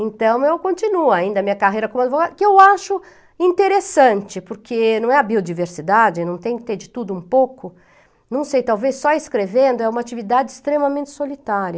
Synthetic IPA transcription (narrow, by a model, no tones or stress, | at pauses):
ẽnt̪ɐ̃w̃ewkõnt͡ʃinuaĩnd̪ɐmĩɲɐkaɦejɾɐkõm̃ad͡ʒ̪ɪvoɡadʊkɪewaʃʊ | ĩnt̪eɾesɐ̃nt͡ʃɪpʊɾkʰenɐ̃w̃ɛɐbiod͡ʒiveɾsid̪ad͡ʒɪnɐ̃w̃t̪ẽj̃kɪt̪eɾd͡ʒɪt̪ud̪ʊũpowkʊ | nɐ̃w̃sejt̪awvesːɔɪskɾevẽnd̪ʊɛũmɐat͡ʃivid̪ad͡ʒɪst̪ɾemɐmẽt͡ʃɪ̥solit̪aɾjɐ